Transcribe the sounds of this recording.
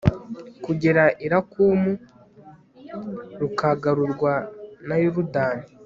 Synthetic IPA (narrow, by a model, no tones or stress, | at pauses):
kuɟeɾaʔiɾakuːmu | ɾukaɡaɾuɾɡwanajuɾudaːni